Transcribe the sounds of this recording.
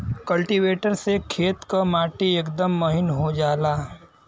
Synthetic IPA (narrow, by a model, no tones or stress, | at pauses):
kɐlʈiʋeːʈəɾsekʰeːt̪kamaːʈiɐkd̪əmːɐɦɪnɦod͡ʒaːlaː